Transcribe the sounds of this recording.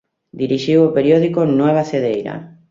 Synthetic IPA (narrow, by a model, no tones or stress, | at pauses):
d̪iɾiʃiwopeɾjoðikonweβ̞aθeðejɾa̰